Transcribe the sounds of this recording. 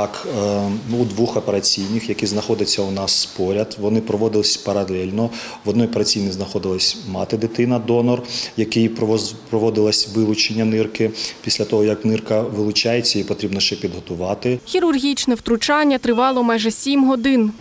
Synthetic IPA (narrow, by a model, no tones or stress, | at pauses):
ɑk | ud̪ʋuxɔpeɾɐt͡sʲijnɪxjɐkʲiznɐxɔd̪ɪt͡sʲːɐunɑspɔɾʲɐd̪ʋɔnɪpɾɔʋɔd̪ɪlˠɪsʲpɐɾɐlˠɛlʲnɔ | ʋɔd̪nɔjɔpeɾɐt͡sʲijnɪjznɐxɔd̪ɪlˠɐsʲmɑt̪ɪd̪ɪt̪ɪnɐd̪ɔnɔrjɐkɪjppɾɔʋɔd̪ɪlˠɐsʲʋɪlˠʊt͡ʃenʲːɐnɪrkɪpʲisʲlʲɐt̪ɔɦɔjɐknɪrkɐʋɪlˠʊt͡ʃɑjet͡sʲːɐipɔt̪ɾʲibnɔʃt͡ʃɛpʲid̪ɦɔt̪ʊʋɑt̪ɪxʲiɾʊrɦʲit͡ʃnɛwt̪ɾʊt͡ʃɑnʲːɐt̪ɾɪʋɑlˠɔmɑjʒɛsʲimɦɔd̪ɪn